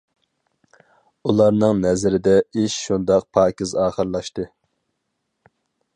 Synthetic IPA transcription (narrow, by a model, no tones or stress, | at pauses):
ulˠɑɾnɨŋnɛzɪɾɪd̪ɛiʃʃund̪ɑq̚pʰɑːkʲizɑːχəɾlˠɑʃt̪ɨ